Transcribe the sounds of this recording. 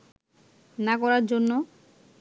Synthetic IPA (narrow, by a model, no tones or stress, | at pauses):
nakɔɾaɾd͡ʑonːo